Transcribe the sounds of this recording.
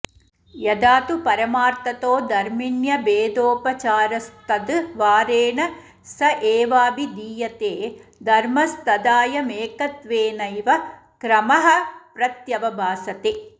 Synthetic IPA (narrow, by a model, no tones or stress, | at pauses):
jɐd̪aːt̪upɐɾɐmaːɾt̪ɐt̪oːd̪ɐɾmiɳjɐbeːd̪oːpɐt͡ʃaːɾɐst̪ɐd̪ʋaːɾeːɳɐ | sɐʔeːʋaːbid̪iːjɐt̪eːd̪ʱɐɾmɐst̪ɐd̪aːjɐmeːkɐt̪ʋeːnɐjʋɐ | kɾɐmɐɦɐ̆pɾɐt̪jɐʋɐbʱaːsɐt̪e